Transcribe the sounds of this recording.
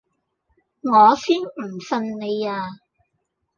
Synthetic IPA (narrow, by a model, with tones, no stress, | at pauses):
ŋɔː˨˧siː˥nmm̩˨˩sɐ˧nne˨˧jaː˧